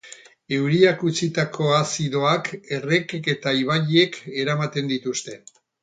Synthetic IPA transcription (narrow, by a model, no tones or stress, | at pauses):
e̞wɾiakut͡sit̪akʰo̞asiðo̞ake̞re̞ke̞t̪aiβaʎie̞kʰe̞ɾamat̪e̞nd̪it̪ust̪e̞